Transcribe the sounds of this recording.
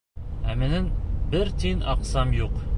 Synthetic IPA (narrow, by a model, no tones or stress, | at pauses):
æmɘ̆nɘnbɘɾt̪inɑqsɑmjuq